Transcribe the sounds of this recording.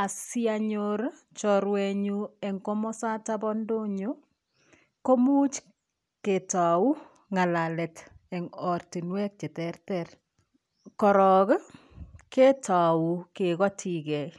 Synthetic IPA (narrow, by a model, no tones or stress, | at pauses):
asiaɲoɾ | t͡ʃɔɾwɛɲuɛŋkomɔsatabɔndoɲu | komut͡ʃ | ketawu | ŋalalɛt | ɛŋɔrtinwɛk̚t͡ʃetɛrtɛr | kɔɾɔk | ketaukekɔtʰikɛ